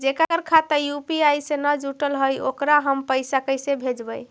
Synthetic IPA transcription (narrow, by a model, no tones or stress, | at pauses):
d͡ʒekəkəɾkʰat̪əɾjupiajsenəd͡ʒuʈəlɦəjo̰kɾaɦəmpəɪsakəjsebʱed͡ʒbəj